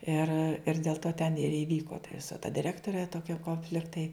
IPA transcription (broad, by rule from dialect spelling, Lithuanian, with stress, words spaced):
ɪr ɪr dʲeːlˠ ˈtoː tʲɛn ɪr ɪˈʋʲiːkoː tɐ ˈʋʲɪsɐ tɐ dʲɪˈrʲæːktoːrʲeː ˈtoːkʲɛ koːnʲˈfʲlʲɪktɐɪ